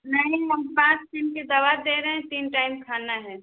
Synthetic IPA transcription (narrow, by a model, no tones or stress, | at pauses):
nɐɦĩɦɐmpãːt͡ʃt̪ɪmked̪ɐʋad̪eːɾɛɦɛ̃t̪iːnʈaːɪmkʰaːnaɦɛ